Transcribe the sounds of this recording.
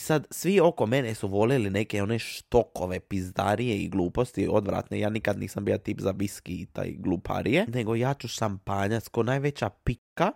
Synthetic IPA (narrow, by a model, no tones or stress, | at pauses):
isad̪sʋio̞ko̞me̞nesuʋo̞liline̞ke̞o̞neʃt̪o̞ko̞ʋe̞pizd̪a̰ɾijeḭɡlˠuːpo̞st̪io̞d̪ʋɾa̰t̪nejaːnikad̪nḭːsambijat̪iːpzaʋiskiit̪a̰jɡlˠupʰa̰ɾije̞ne̞ɡo̞jaːt͡ʃuʃampaːɲat̪skonaːjʋe̞t͡ɕapikːa